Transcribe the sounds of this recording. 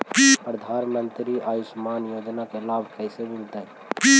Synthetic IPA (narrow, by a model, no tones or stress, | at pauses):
pipɾəd̪ʱanmənt̪ɾiʔajismanjoːd͡ʒnakelabʱkəjsemilt̪ə | pi